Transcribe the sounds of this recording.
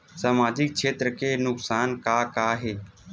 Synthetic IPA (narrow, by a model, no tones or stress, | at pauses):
səmaːd͡ʒɪk̚t͡ʃʰeːt̪ɾəkeːnʊksaːnkaːkaːɦeː